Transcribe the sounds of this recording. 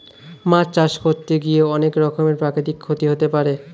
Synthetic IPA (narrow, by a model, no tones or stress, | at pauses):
mãt͡ɕt͡ɕaʃkʰoɾt̪ːeɡijeɔnekɾɔkʰomeɾpɾakɾit̪ikʰːot̪iɦot̪epaɾe